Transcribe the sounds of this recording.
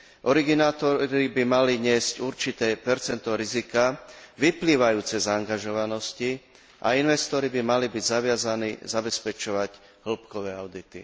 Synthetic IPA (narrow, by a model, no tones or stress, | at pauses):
ʔɔɾiɡinaːt̪ɔɾibimaliɲɪɛscuɾt͡ʃit̪ɛːpɛɾt͡sɛnt̪ɔɾizikaʋipliːʋajuːt͡sɛzaːŋɡaʒɔʋanɔsci | ʔa̰inʋɛst̪ɔɾibimalibiɟzaʋɪazanḭːzabɛspɛt͡ʃɔʋaɟ | ɦl̩pkɔʋɛːaʊd̪it̪i